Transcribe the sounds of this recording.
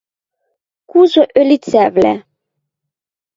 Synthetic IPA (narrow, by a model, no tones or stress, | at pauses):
kuzoʔølit͡sævlæ̰